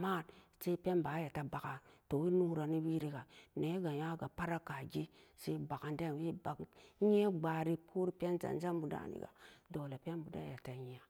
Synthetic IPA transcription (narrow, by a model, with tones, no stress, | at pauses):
ma˦˨nse˦pe˦nba˨˦ja˨ta˨ba˨ka˨to˨wi˦nu˦ɾa˨ni˦wi˦ɾi˦ɡa˨ne˨˦ɡa˨ja˦ɡa˨pa˦ɾa˦ka˨ɡi˦se˦ba˨ka˨nde˦n˨wi˦ba˨kɲe˦ɡ͡ba˨ɾi˨pʰu˦ɾi˦pe˦nza̰˨n˦d͡ʒa˦mbu˨da̰˦nḭ˨ɡa̰˨do˨le˨pe˦nbu˨da̰˦ja˨ta˨ji˨a˨